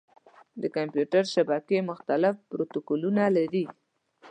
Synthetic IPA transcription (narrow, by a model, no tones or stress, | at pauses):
d̪əkampjuʈaɾʃabakemʊxt̪alɪfpɾot̪okolunalaɾi